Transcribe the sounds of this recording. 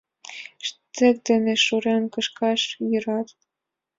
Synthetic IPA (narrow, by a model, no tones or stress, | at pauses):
ʃt̪ɘ̆k̚d̪ɘ̆nĕʃuɾɑnkɤ̆ʃkɑʃjɤ̆ɾɑt̪